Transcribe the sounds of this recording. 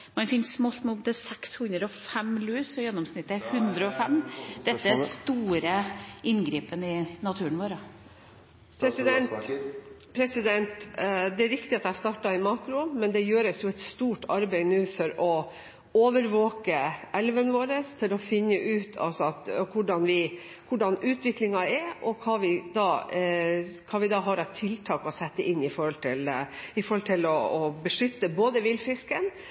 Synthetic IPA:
mɑnfɪnsmɔlt̪mɛmd̪ɛsɛkshʉnd̪ɾəɔfɛmlʉːsɔjɛnːɔmsnɪt̪ːəæhʉnd̪ɾəɔfɛmd̪̥ɛt̪ːəst̪uːɾəɪnɡɾiːpənɪnɑt̪ʰʉːənʋoːɾə | pɾsd̪ɛn | pʰɾɛsɪd̪ɛnt̪d̪ɛæɾɪkt̪ɪɑt̪æɪst̪ɑːʈɑɪmɑːkɾʊʊmmɛnd̪ɛjøːɾəsjʊɛt̪st̪uːʈɑɾbæɪnʉːfɔɾɔ | oːʋəɾʋoːkəɛlʋənʋoːɾəst̪ʰɪlɔfɪnːəʔʉːt̪ʰɑ̰lsɔɑt̪kʰʊɖɑnʋɪ | kʰʊɖɑnʉːt̪ʰʋɪklɪŋɑɛɔkʰɑːʋɪd̪ɑː | kʰɑːʋɪd̪ɑːɦɑɾɑʋt̪ʰɪlt̪ʰɑːkɔsɛt̪ːəʔɪnːɪfɔɾhɔlt̪ʰɪlɪfɔɾhɔlt̪ʰɪlɔːbəʂʏt̪ːəboːd̪əʋɪlfɪskən

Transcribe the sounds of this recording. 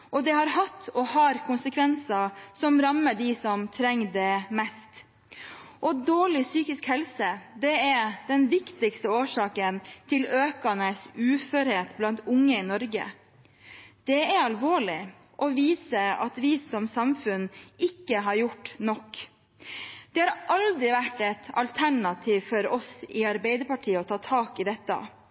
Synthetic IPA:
ʔɔd̪ɛhɑɾhɑt̪ʰːɔhɑɾkʰʊnsəkʰʋɛnsɑsɔmɾɑmːəɖɪsɔmt̪ʰɾɛŋd̪ɛmɛst̪ | ʔɔd̪oːɭɪsyːkɪskhɛlsəd̪ɛɛɾd̪ɛnʋɪkt̪ɪkst̪əoːʂɑːkənt̪ʰɪløːkɑnəsʉːføɾheːt̪blɑnt̪ʊŋːəɪnɔɾɡə̰ | d̪̥ɛæɾɑlʋoːɭɪ | ʔɔʋiːsəɑ̰t̪ʋɪsɔmsɑmfʉnʔɪkːəɦɑɾjʊʈːnɔkː | d̪̥ɛhɑɾʔɑld̪ɾɪʋæʈːɛt̪ɑ̰lt̪ʰæɳɑt̪ʰiːʋfɔɾɔsɪɑɾbɛɪd̪əɾpɑʈʰiːəɔt̪ʰɑːt̪ʰɑːkɪd̪ɛt̪ːə̰

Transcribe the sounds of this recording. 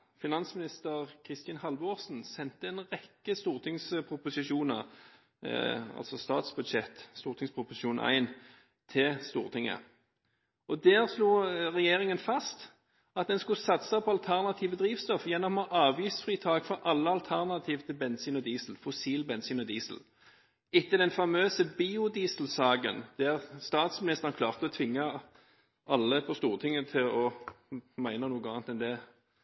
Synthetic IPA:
fɪnɑnsmɪnɪst̪əʁkʰʁɪst̪jɑnhɑlboːʁsn̩sɛnt̪əɛnʁɛkːəst̪uːʁt̪ʰɪŋspʰʁʊpʊsɪʃuːnəʁ | ɑ̰lsɔst̪ɑːt̪sbʉd̪ʃɛt̪ːst̪uːʁt̪ʰɪŋspʰʁʊpʊsɪʃuːnʔæ̰ɪn | t̪ʰɪst̪ṵːʁt̪ʰɪŋə̰ | ɔd̪æːʁsluːʁɛjeːʁɪŋənfɑst̪ | ɑt̪̚d̪ɛnskʉsɑt̪sɑpʰɔɑlt̪ʰæʁnɑt̪ʰiːʋəd̪ʁiːʋst̪ɔfjɛnːɔmɑʔɑːʋjɪsfʁiːt̪ʰɑːɡfɔɾʔɑlːəɑlt̪ʰæʁnɑt̪ʰiːʋt̪ʰɪlbɛnsiːnɔd̪iːsl̩fɔsiːlbɛnsiːnɔd̪iːsəl̩ | ɪt̪ːəd̪ɛnfɑmøːsəbiːʊd̪iːsl̩sɑːɡə̰nd̪̥æʁst̪ɑːt̪smɪnɪst̪əʁənkʰlɑːʁt̪əɔt̪ʰʋɪŋːə | ʔɑlːəpʰɔst̪uːʁt̪ʰɪŋːət̪ʰɪlɔ | mæɪnənuːɡɑːnt̪ɛnd̪ɛ

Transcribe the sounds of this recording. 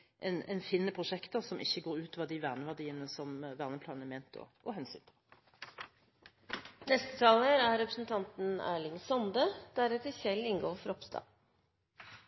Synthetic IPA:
ʔɛnɛ̰nfiːnːəpʰʁʊʃɛkt̪əʁsɔmʔɪ̰çːəɡoːʁʉːt̪ʋɑːd̪ɪʋæːʁnəʋæʁd̪iːənəsɔmʋæːʁnəpʰlɑːnnəmeːnt̪̚d̪o̰ːʔɔhɛnsy̰ːnt̪ʰɪ̥ | nɛst̪ət̪ʰɑːləɾæɾɛpɾəsn̩t̪ʰɑnt̪n̩æ̰ːɭɪŋsɑnd̪əd̪̥æɾɛt̪əçɛlːɪŋɡoːfɾɔpst̪ɑ̰ː

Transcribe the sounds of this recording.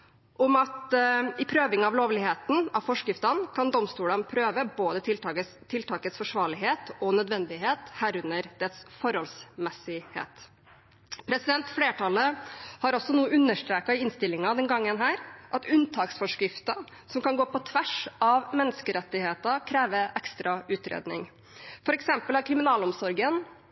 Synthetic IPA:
ʔɔmɑt̪ɪpʰɾøːʋɪŋɑʋloːʋlɪheːt̪n̩ɑʋfɔʂkɾɪft̪ɑnkʰɑnd̪ɔmst̪uːlənpʰɾøːʋəboːd̪ət̪ʰɪlt̪ʰɑːkət̪sfɔʂʋɑːɭɪɦeːt̪ɔnœd̪ʋɛnd̪ɪɦeːt̪hæːɾʉnəɾd̪ɛt̪sfɔɾhɔlsmɛsɪhḛːt̪ | pʰɾɛsɪd̪ɛnt̪fleːʈʰɑləhɑɾɔsːɔnuːəʉnːəʂʈ̪ɾeːkɑɪɪnst̪ɪlːɪŋɑd̪ɛnɡɑŋːənɦæːɾʔɑt̪ʉnt̪ʰɑːksfɔʂkɾɪft̪ə | sɔmkɑnɡoːpɔt̪ʰʋæʂɑʋmɛnːəskəɾɛt̪ːɪheːt̪əkʰɾeːʋəʔɛkst̪ɾɑʉːt̪ɾḛːd̪nɪ̰ŋ | fɔɾɛksɛmpəlɑkʰɾɪmɪnɑːlɔmsɔɾɡən

